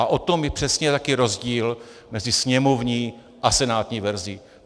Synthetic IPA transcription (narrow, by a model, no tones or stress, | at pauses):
aʔot̪o̞mjɛpr̥ɛsɲɛt̪akɪɾo̞zɟiːl | mɛzɪsɲɛmo̞vɲiː | ʔasɛnaːt̪ɲiːvɛɾziː